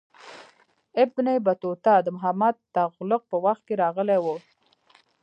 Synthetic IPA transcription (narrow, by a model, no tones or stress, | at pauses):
ɪbnebat̪ot̪ɑd̪əmʊɦamːad̪aɣlʊq̚pəwaxt̪̚keɾɑɣəlewu